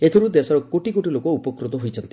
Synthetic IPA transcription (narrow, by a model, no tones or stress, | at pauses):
et̪ʰoɾud̪esɔɾɔkoʈikoʈilokɔupɔkɾut̪ɔɦojt͡ʃʰɔnt̪i